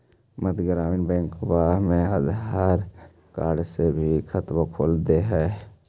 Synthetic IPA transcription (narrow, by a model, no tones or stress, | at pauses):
məd̪ɡɾaːʋinbɛ̃ːŋkbamẽəd̪aːɾ | kaːɖsebʱikʰət̪wakʰoːld̪eɦɛː